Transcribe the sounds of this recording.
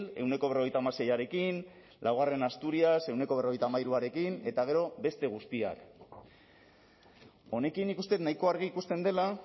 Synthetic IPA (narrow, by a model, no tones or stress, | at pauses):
le̞wne̞koe̞ro̞ɣ̞ejt̪aːmase̞jaɾe̞kin | lawɣ̞are̞nast̪uɾiase̞wne̞koβ̞e̞ro̞e̞jt̪amaiɾuaɾe̞kine̞t̪aɣ̞e̞ɾo̞be̞st̪e̞ɣ̞uspia̰k | o̞ne̞kinːikust̪e̞t̪najko̞aɾɣ̞iːkust̪e̞nd̪e̞la